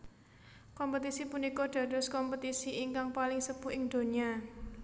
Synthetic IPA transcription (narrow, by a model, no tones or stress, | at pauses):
kɔmpət̪isipunikɔɖ̪̥ä̤d̥ɔ̤skɔmpət̪isiʔiŋkaŋpalɪŋsəb̥ṳʔɪŋd̪̥o̤nia